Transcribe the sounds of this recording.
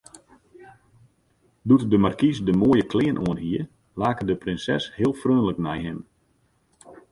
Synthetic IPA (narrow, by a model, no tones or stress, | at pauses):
dutdəmarkisdəmoːjəklɪːənʔoənɦiə | laːkədəprɪnsɛ̰shɪəlˠfrøːnləknɛjɦɪm